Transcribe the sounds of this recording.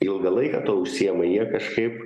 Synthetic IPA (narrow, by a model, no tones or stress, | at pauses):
ɪlˠɡɐlˠɐɪkɐ̰ːt̪oːʊʃʲsʲiːjɛmɐjiɛkɐʃkɐɪp